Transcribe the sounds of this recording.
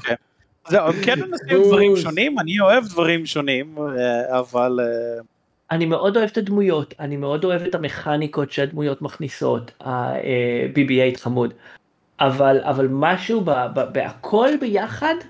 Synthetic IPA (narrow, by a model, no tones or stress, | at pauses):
ken | zewkɛnenasiudvaʁiʃonimanioevd̪vaʁimʃonimeavale | ʔanimeʔo̞do̞evetadmujo̞tanimeo̞do̞evetameχaniko̞tʃeadmujo̞tmaχniso̞ta̰ebibiejtχamud | ʔavala̰valmaʃubababeʔa̰kʰo̞lbejaχad